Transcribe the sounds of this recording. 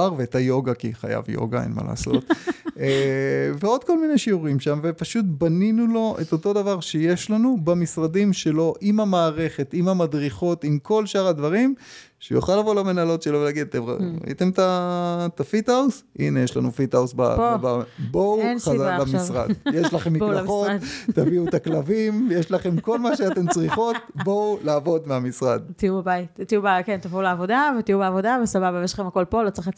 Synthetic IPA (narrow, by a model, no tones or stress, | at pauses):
aʁveːtajo̞ɡakḭχa̰ja̰vjo̰ɡaḛnma̰la̰ːso̞̰t̪ | veo̞d̚ko̞lmineʃiuʁimʃamvepaʃut̪baninulo̞ʔeto̞to̞davaʁʃeje̞ʃlanubamisʁadimʃe̞lo̞ʔimamaːʁe̞χe̞timamadʁiχo̞timko̞lʃaʁadvaʁim | ʃejṵχalavolamenalo̞tʃelovelaɡid̪t̪emʁa̰a̰ḭt̪e̞mtat̪afit̪ausʔinejeʃla̰nufitausbababowχazlamisʁa̰djeʃlaχemːiaχo̞ːaviut̪aklavimjeʃlaχe̞mko̞lmaʃeat̪e̞mt͡sʁiχo̞t̪̚bo̞wlaːvo̞dmeamisʁadt̪iubebaitt̪iubkent̪afulaːvo̞davet̪ijubeavo̞davesababavejeʃlaχemako̞lpo̞lott͡sʁix